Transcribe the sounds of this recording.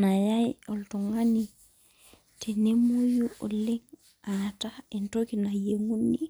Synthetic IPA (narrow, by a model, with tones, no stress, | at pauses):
na˨ja˦jɔ˨ltɔ˨ŋani | tʰe˨ne˦mu˦juo˨le˦ŋ | atai˨ntokina˨jeŋu˦ni˦